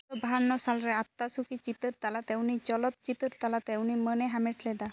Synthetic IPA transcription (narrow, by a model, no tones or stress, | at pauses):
ɔbaɦanːɔsalɾɛat̪ːasukʰit͡ʃit̪əɾt̪alat̪ewnit͡ʃɔlɔt̪̚t͡ʃit̪əɾt̪alat̪ewnimənɛɦameʈʰlɛd̪a